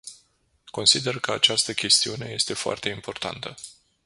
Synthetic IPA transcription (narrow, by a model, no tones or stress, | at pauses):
ko̞nsid̪e̞rkəat͡ʃast̪əkʲe̞st̪iune̞je̞st̪e̞foa̰rt̪e̞impo̞rt̪a̰nt̪ə